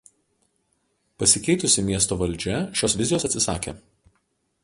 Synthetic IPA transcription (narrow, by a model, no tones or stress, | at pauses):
pɐsʲɪkʲɛɪt̪ʊsʲɪmʲiɛs̬t̪oːʋɐlʲd͡ʒʲɛʃʲoːsʋʲɪzʲɪjoːsɐt̪ʲsʲɪsɑ̰ːkʲḛː